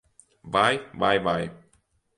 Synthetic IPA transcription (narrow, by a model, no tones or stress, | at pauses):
bajbajbaj